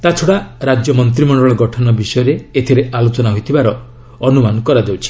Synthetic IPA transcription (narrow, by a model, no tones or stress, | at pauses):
t̪at͡ʃʰɔɽaɾad͡ʒjɔmɔnt̪̬ɾimɔɳɖɔɭɔɡɔʈʰɔnɔbisɔjɔɾeet̪ʰiɾealot͡ʃɔnaɦojt̪ʰibaɾɔ | ɔnumanɔkɔɾad̪ewt͡ʃʰi̥